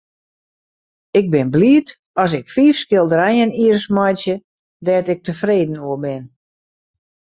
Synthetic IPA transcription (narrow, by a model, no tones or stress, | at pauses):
ɪɡ̚bɪnbliːət | ɔs̬ɪkfiːfskɪlˠdəɾɛjəniərsmɔjtjə | dɛːtɪk̚təfreːdən̩uəbɪn